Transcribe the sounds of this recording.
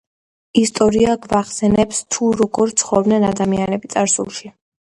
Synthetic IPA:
ist̪ʼɔɾiaɡvaχsɛnɛpst̪ʰuɾɔɡɔɾt̪sʰχɔvbnɛnad̪amianɛbit̪sʼaɾsṵlˠʃi

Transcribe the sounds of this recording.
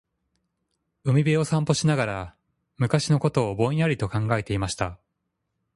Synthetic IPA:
ɯ̟mʲibeo̞sãmpo̞ɕinaɡaɾa | mɯ̟kaɕino̞ko̞t̪o̞ːbõ̞ĩaɾʲit̪o̞kãŋɡae̞t̪e̞imaɕi̥t̪a

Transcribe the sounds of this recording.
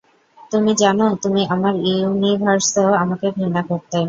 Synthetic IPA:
t̪umid͡ʑanot̪umiʔamaɾuunibʱaɾsooamakebʱɾinakoɾt̪a

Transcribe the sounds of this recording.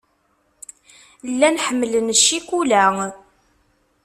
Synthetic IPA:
lːænħəmːələnʃːikulæ

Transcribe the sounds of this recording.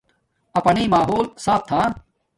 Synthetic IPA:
ɐpɐniːmaːɦoːlsaːp̚t̪ʰaː

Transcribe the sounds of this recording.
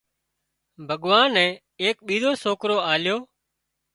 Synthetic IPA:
bʱəɠʋaːnɛ̃ː | eːk̚ɓiːd̪oːsoːkɾoːaːljoː

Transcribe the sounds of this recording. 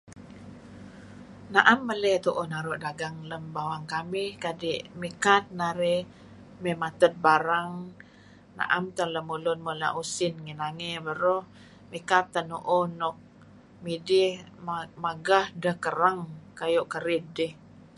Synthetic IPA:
naʔamːəlɛt̪uʔonaɾoʔdaɡaŋləmbawaŋkamihkadiʔmikat̪̚naɾɛ | memat̪ət̪̚baɾaŋ | na̰ʔamt̪ələmulʊnmula̰ʔusɪnŋinaŋebəɾɔh | mikat̪ːənuʔonɔk̚ | midihmaɡahdəhkəɾaŋkajoʔkəɾɪt̪̚dɪh

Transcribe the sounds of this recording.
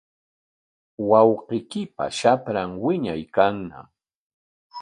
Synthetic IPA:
wɑwqɪkɪpa̰ʃapɾaŋwɪɲajkaŋna̰

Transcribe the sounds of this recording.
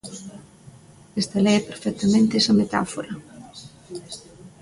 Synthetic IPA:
est̪ɐlɛpeɾfɛk̚t̪ɐmẽnt̪eɛsɐmet̪a̰foɾɐ

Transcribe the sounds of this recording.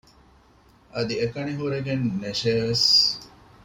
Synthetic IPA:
ʔɐd̪iekɐɳiɦuɾeɡenːeʃeːʋes

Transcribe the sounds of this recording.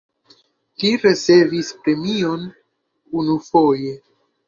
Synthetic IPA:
liɾe̞t͡se̞vispɾe̞mio̞n | unufoje̞

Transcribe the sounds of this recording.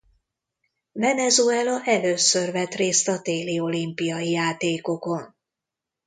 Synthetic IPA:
vɛnɛzuɛlɒʔɛløːsørvɛt̪reːst̪ɒt̪eːlio̞limpijɒjijaːt̪eːko̞ko̞n

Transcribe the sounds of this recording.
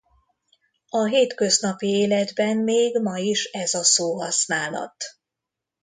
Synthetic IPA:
ɒɦeːt̪kø̞znɒpieːlɛd̪bɛnmeːɡmɒiʃɛzɒsoːɦɒsnaːlɒ̰t̪

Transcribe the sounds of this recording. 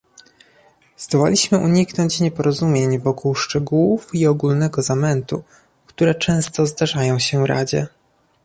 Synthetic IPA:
z̥d̪ɔwa̰lʲiɕmɘʔuɲiknɔɲt͡ɕɲɛpɔɾɔzumʲjeɲvɔkuwʂt͡ʂɛɡuwufiɔɡulnɛɡɔzamɛnt̪u | kt̪uɾɛt͡ʂɛ̃w̃st̪ɔzd̪aʐajɔ̃w̃ɕɛvɾa̰d͡ʑɛ̰

